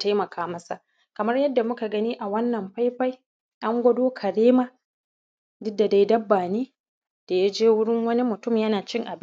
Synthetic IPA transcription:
ta˦jmɐ˨kʰaː˦mɐ˦sa˨ʔ | kɐ˨mɐ˦rjɐ˦dːa˨mʊ˦ka˨ɡɐ˦niː˦ʔa˨wɐ˦nːɐ˨mɸa˦jɸa˦j | ʔa˦ŋɡʷɐ˦doː˦kʰɐ˨ɽeː˦maː˦ | dʊ˦dːa˨da˨jdɐ˦bːaː˨niː˦ | d̥a˨ja˦d͡ʒeː˦wʊ˦ɽɪ˦ŋwɐ˦ni˦mʊ˨tʊ˦˨mjɐ˦naː˨t͡ʃɪ˦ŋʔa˨b

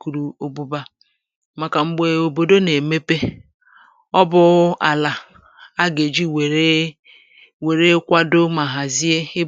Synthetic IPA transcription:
ku˨ɾu˨o˨bu˦ba˦ | ma˨ka˨ŋ͡m̩˦ɡ͡be˨o˨bo˨do˦ne˨me˦pe˦ | ɔ˦bʊ˦a˨la˨ | a˦ɡe˨d͡ʒi˦we˨ɾe˦ | we˨ɾe˦kʷa˦do˦ma˨ɦa˨zi˦e˦ɪ˦

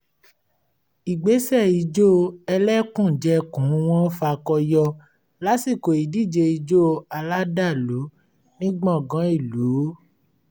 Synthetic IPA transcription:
i˨ɡ͡be˨˦sɛ˦˨i˧˦d͡ʒo˦˧ɛ˧lɛ˦kũ˦˨d͡ʒɛ˦kũ˨˦w̃ɔ̃˦fa˧kɔ˧jɔ˧ | la˦si˦˨ko˨i˨di˦˨d͡ʒe˧i˧d͡ʒo˦˧a˧la˦da˦˨lu˨˦ | nĩ˦ɡ͡bɔ̃˦˨ɡã˨˦i˦˨luː˨˦

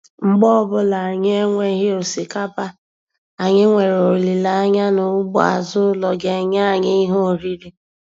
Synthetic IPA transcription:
ŋ͡m̩˦ɡ͡bɔ˦ɔ˦˨bʊ˦la˨a˨ɲ˦e˦ŋʷe˦ɦɪ˦o˨si˨ka˦pa˦ | a˨ɲɪ˦ŋʷe˨ɾo˨ɾli˨la˨a˦ɲa˦nʊ˨˦ɡ͡bʊ˦˨a̰˨zʊ˦lɔ˨ɡe˨ɲa˦˨ɲɪ˦i˦ɦo˦˨ɾi˦ɾi˦

